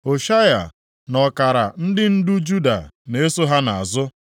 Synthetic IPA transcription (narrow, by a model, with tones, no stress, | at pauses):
o˨ʃa˦ja̰˨ | nɔ˨ka˨ɾa˨n̩˦dɪ˦n̩˦du˦d͡ʒu˦da̰˨ne˨˦e˦so˦ɦa˦na˨a˨zʊ˦